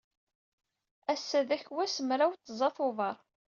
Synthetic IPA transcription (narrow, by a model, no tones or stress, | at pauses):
æsːæðæçwæsəmɾawt̪ːzˤɑθʊvɑɾˤ